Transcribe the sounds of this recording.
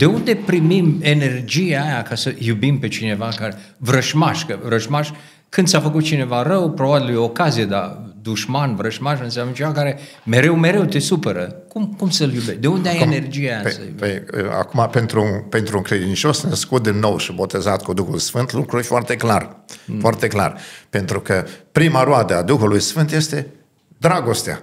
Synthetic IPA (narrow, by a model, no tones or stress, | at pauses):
d̪̥e̞und̪e̞pɾimime̞ne̞rd͡ʒieːjakasəjubimpe̞t͡ʃine̞vakaɾe | vɾəʃmaʃkəvɾəʃmaʃ | kɨnd̪sʲafək̬ut̪̚t͡ʃine̞varəwpɾo̞babiljookazijed̪ad̪uʃmanvɾəʃmaʃɨnsjamnət͡ʃe̞vakaɾe̞ | me̞ɾe̞wme̞ɾe̞wt̪e̞supəɾəkumkumsəljubeʃd̪e̞und̪eajene̞rd͡ʒijeast̪a̰pḛa̰kumape̞nt̪ɾupe̞nt̪ɾuɨŋkɾe̞d̪int͡ʃo̞snəskut̪̚d̪inːo̞wʃibo̞t̪e̞zat̪kud̪uxulsfɨnt̪lukɾufoart̪e̞klarfoart̪ekla̰rpe̞nt̪ɾukəpɾimaɾoad̪əad̪uxulujsfɨnt̪je̞st̪e̞ | d̪ɾaɡo̞st̪ea̰